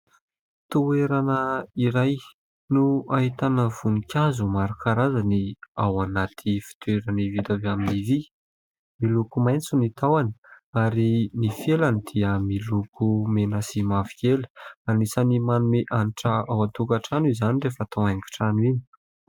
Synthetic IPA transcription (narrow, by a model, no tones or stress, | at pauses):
t̪ueɾanəiɾaj | nuaɦit̪anəv̥unikʲazumaɾukaɾazaniawanat̪ʰifi̥t̪ueɾanivid̪aveaminivi | milukumajnt͡sunit̪awani̥aɾinifjelanid̪̥iəmilukʰumenasimavi̥kʲelanisanimanumeʔaniʈ͡ʂaawat̪ukaʈ͡ʂanizanirefət̪ʰaaŋki̥ʈ͡ʂanwini̥